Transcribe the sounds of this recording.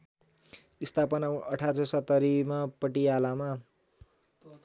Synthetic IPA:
ist̪ʰapʌnaʌʈʰat͡sʌsʌt̪ːʌɾimapʌʈialama

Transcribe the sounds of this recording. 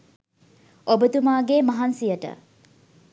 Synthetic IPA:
ʔobət̪umaːɡemɐɦɐnsijəʈə̰

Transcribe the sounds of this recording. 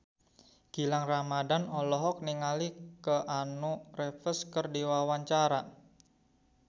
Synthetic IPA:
ɡ̥i̤laŋramadanɔlɔɦɔk̚niŋalikəʔanurefəskərdiwawaɲt͡ʃaɾa

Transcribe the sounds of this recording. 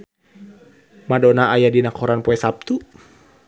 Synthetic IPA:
madɔnaajadinakɔɾanpɔɛsap̚t̪u

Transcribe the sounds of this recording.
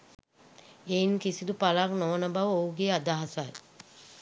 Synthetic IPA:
einkisid̪upalaknoʋənəbaʋəouɡeːad̪aɦasaj

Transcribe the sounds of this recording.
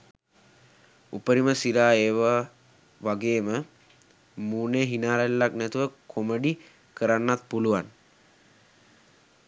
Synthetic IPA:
upəɾiməsiɾaːeːʋa | ʋaɡeːmə | muːneːɦinaːɾalːaknɛt̪uʋəkʰoməɖi | kəɾanːat̪̚puluʋan

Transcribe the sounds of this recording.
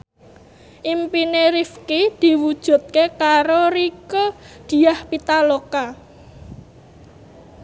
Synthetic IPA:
ʔimpineɾifkid̪̥i̤wud̥ʒ̥ṳt̪̚kekaɾoɾikod̪̥i̤ahpit̪aloka

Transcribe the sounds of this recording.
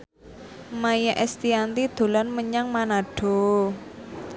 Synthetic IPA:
majaʔɛst̪iant̪id̪̥o̤lanməɲaŋmanaɖ̥o̤

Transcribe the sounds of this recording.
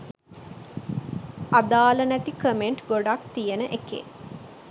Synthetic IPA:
ad̪aːlənæt̪ikəmeɳʈɡoɖakt̪ijenəʔekḛ

